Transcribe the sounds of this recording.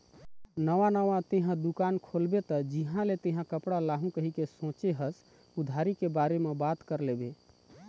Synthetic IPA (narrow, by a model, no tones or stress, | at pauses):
nəʋanəʋat̪eɦãd̪ukankʰolbet̪əd͡ʒiɦãlet̪eɦãkəpɽalaɦũkəɦikesõt͡ʃeɦəs | ud̪ʱaɾikebaɾemebat̪kəɾlebe